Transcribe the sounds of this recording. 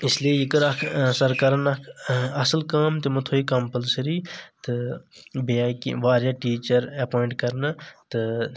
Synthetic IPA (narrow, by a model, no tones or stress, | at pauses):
ɪsliejikɐɾakʰsɐɾkɐɾɐnɐkʰɐsəlkaːmt̪imɐt̪ʰoːikɐmpəlsɐɾiːt̪ɨbiaːkḭʋaːɾjaʈiːt͡ʃɐɾɐpoːɪɳʈkɐɾnɐt̪ɨ